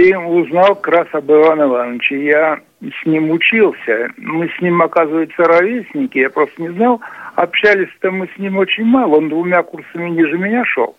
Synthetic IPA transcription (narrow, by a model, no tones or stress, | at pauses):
iʊznalˠkɾasɐbɨvanɨvanːət͡ɕɪja | sʲnʲimʊt͡ɕilˠsʲəmɨsʲnʲimɐkazɨvəjʊt̪səɾɐvʲesʲnʲɪkʲɪjapɾo̞st̪ənʲɪznɑlˠɐ̰pɕːælʲɪsʲt̪əmɨsʲnʲimot͡ɕɪnʲmalˠəond̪vʊmʲakursəmʲɪnʲiʐɨmʲɪnʲaʂo̰lˠ